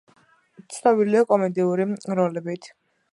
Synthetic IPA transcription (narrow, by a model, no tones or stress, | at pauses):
t̪sʰnɔbiliɔkʼɔmɛd̪iuɾiɾɔlɛbit̪ʰ